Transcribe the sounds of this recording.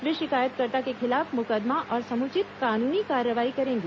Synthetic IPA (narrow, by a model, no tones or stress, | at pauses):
ʋiʃɪkaːjət̪̚kəɾt̪akekʰɪlafmʊkəd̪maʔɔːɾsəmut͡ʃɪt̪kanunikaɾjəʋaɦikəɾẽŋɡe